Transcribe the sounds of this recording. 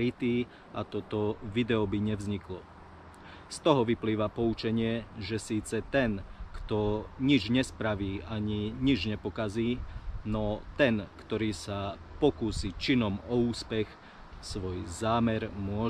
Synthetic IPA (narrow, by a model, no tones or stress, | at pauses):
it̪iː | at̪ɔt̪ɔʋid̪ɛɔbiɲɛvzɲiklɔ | st̪ɔɦɔʋipliːʋapɔut͡ʃɛɲɪɛʒɛsiːt͡sɛt̪ɛnkt̪ɔɲid͡ʒɲɛspɾaʋiːaɲiɲid͡ʒɲɛpɔkaziːnɔt̪ɛnkt̪ɔɾiːsa | pɔkuːsiːt͡ʃinɔmɔuːspɛx | sʋɔjzaːmɛɾmʊɔ